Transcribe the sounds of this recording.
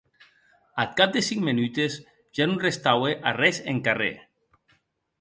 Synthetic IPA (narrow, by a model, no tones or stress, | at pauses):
at̪̚kap̚d̪esiŋmenyt̪ez | ʒ̥anunrest̪aweʔarɛzḛŋkarḛ